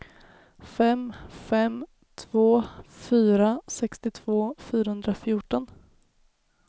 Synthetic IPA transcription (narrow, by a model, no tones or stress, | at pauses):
fɛmfɛm | t̪ʰv̥oːfyːɾasɛkst̪ɪt̪ʰv̥oːfyːɾahɵnd̪ɾafjʊːʈɔn